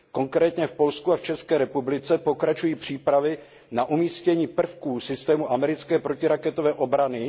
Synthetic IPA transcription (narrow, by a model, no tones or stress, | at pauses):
ko̞ŋkɾɛːt̪ɲɛfpo̞lskuaft͡ʃɛskɛːɾɛpublɪt͡sɛpo̞kɾat͡ʃujiːpr̝̥iːpɾavɪ | naʔumiːscɛɲiːpr̩fkuːsɪst̪ɛːmuʔamɛɾɪt͡skɛːpɾocɪɾakɛt̪o̞vɛːʔo̞bɾanɪ